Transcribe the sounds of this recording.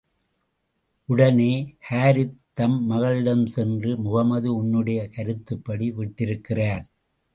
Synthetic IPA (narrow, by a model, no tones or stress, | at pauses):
ʔʊɽɐneːhaːɾɪt̪ːɐmːɐɣɐɭɪɽɐmsɛndrɯmʊɣɐmɐðɯʊnːɯɽɐjɐkɐɾɯt̪ːɯpːɐɽiʋɪʈːɪɾɯkːɪraːɾ